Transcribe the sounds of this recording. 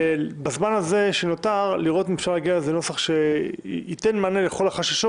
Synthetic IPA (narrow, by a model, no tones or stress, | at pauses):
bazmanaze̞ʃeno̞taʁliʁo̞t̪imefʃaʁlaɡiazeno̞saχʃe̞ite̞nmaneleχo̞laχaʃaʃo